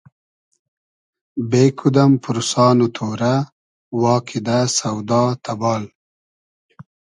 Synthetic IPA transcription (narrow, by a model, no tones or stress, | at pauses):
beːkʰud̪ɐmpuɾusɑːnut̪ʰoːɾa | wɑːkʰid̪asɐwd̪ɑːt̪ʰɐbɑːl